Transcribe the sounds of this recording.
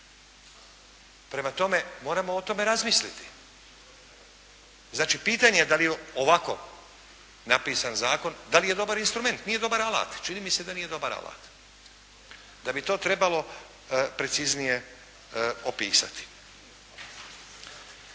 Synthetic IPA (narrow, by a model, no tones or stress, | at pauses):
pɾe̞mat̪o̞me̞mo̞ːɾamoot̪o̞me̞ɾazmislit̪i̥ | znaːt͡ʃiːpiːt̪aːɲejed̪alijeoʋako̞̰ | napiːsanzaːko̞nd̪alije̞d̪o̞baɾinst̪ɾume̞nt̪nije̞d̪o̞baɾala̰ːt̪t͡ʃiniːmise̞d̪aniːje̞d̪o̞baɾa̰la̰ːt̪ | d̪abit̪o̞ːt̪ɾe̞balo̞ | pɾe̞t̪siznije̞ | opḭːsa̰t̪i̥